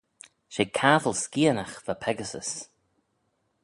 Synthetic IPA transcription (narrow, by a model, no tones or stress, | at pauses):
ʃekʰaːtəlskiːənaxvapʰɛɡəsə̰s